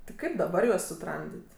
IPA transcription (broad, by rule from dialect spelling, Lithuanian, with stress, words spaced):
tʲɪ ˈkɐɪp dɐˈbɐr juɔs sʊˈtrɐmʲdʲɪtʲ